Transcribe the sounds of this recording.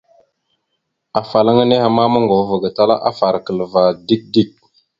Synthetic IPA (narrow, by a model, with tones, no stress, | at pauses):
a˨fa˨la˦ŋa˦ne˦ha˨ma˦ma˦ŋɡo˨˦və˨ɡa˨ta˦la̰˦ʔa̰˦fa˨ɾkə˨lə˨va˨di˦k̚di˦k̚